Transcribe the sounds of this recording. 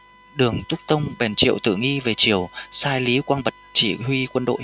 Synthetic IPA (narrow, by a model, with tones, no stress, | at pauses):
ɗɨ˨˩əŋt̪ʊ˦˥k͡p̚t̪ə˧wŋ͡mɓɛ˨˩nt͡ɕḭ˧˨əwt̪ɨ̰˧˩ŋi˧ve˨˩t͡ɕi˧˩əwsaː˧jli˨˦kwaː˧nɓə˨˩t̚t͡ɕḭ˧˩hwi˧kwə˧nɗo̰˧˨